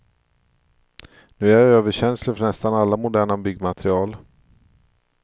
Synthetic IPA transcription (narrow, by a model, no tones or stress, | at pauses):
nʉ̟ːæɾøːvəɕɛnsləɾfœɳɛst̪analːamʊd̪æːɳabʏɡmat̪ʰɾɪɑːl